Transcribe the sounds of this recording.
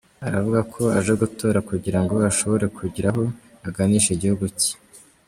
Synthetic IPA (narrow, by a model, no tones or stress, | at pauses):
aɾavuɡakʰo̞aʒeɡuto̞ːɾakuɟiɾaŋɡo̞aʃo̞βo̞ɾe̞kʰuɟiɾaɦo̞ | aɡaniːʃeɟihuɡuci̥